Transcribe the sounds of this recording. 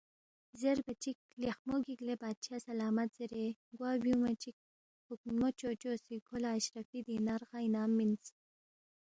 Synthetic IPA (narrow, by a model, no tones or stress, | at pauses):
zeɾbat͡ʃik̚lexmoɡiklebɑːd̪̚t͡ʃʰasalɑːmat̪z̥eɾeɡwɑːbjumat͡ʃik̚ | hʊkmot͡ʃot͡ʃosikʰolaːʃɾafid̪inaɾʁajnɑːmːins